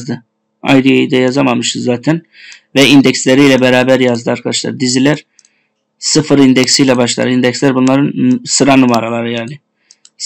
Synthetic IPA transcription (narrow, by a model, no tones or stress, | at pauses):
d̪ɯ | a̰jd̪iejid̪ɛjazamamɯʃt̪ɯzzːaːt̪ʰæn | vɛind̪ɛcslʲe̞ɾijlʲɛbeɾaːbæɾjazd̪ɯaɾkʰad̪aʃlˠa̰ɾɯd̪izilʲæɾ | sɯfɯɾind̪ɛcsijlʲɛbaʃlˠa̰ɾɯind̪ɛcslʲæɾbunlˠaɾɯnsɯɾanumaɾalˠaɾɯjaːɾlʲɪ